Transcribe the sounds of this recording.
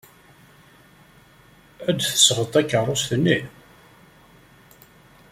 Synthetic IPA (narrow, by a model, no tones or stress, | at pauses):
æd̪θə̥sʁət̪ˤːækːərˤosθənːi